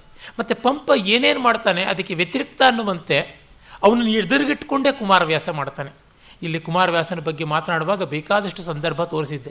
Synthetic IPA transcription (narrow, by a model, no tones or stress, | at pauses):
mɐt̪ːepɐmpɐeːne̞ːnumaːɽt̪aːne̞ɐd̪ɐkːeʋjet̪iɾik̚t̪aːnːuʋɐnt̪e̞ | ɐʋɐnɐnːed̪ɐɾiɡiʈːko̞ɳɖe̞ːkumaːɾɐʋjaːsɐmaːɽt̪aːne̞ | ilːikumaːɾɐʋjaːsɐnɐbɐɡːe̞maːt̪naːɽuʋaːɡɐbeːkaːd̪ɐʂʈusɐnd̪ɐɾbʱɐt̪o̞ːɾisid̪ːe̞